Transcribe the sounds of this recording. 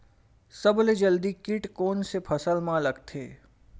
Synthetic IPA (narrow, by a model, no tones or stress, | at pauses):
sɐbled͡ʒəld̪ikɪʈkoːnsepʰɐsəlmãləɡt̪ʰeː